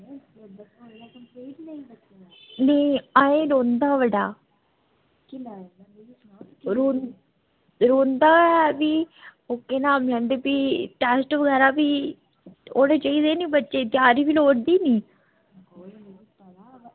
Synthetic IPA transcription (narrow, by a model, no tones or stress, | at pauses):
neiaːẽːɾoːnd̪aːʋəɖaː | ɾoːn | ɾoːnd̪aːɛːbiːoːkːeːnaːmlɛ̃ːnd̪eːpiːʈɛːsʈʋəɡɛːɾaːbiː | oːneːt͡ʃəiːd̪eːniːbətːʃeːt̪ɪjaːɾiːbiːloːʈd̪iːniː